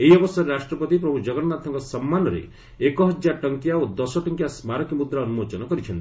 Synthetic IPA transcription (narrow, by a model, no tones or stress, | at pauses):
eɦiɔbɔsaɾeɾasʈɾɔpɔt̪ipɾɔbʱud͡ʒɔɡɔnmat̪ʰːɔŋkɔsɔmːanɔɾḛ | ekɔɦɔd͡ʒjaʈɔŋkjaod̪ɔsɔʈɔŋkjasmaɾɔkimud̪ɾaːnumot͡ʃɔnɔkɔɾit͡ʃʰɔnt̪i̥